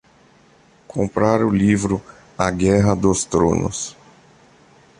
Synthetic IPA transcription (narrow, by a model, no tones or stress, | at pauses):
kʰõmpɾaɾʊlivɾʊ | aɡɛɦɐd̪ost̪ɾõ̰nʊ̰s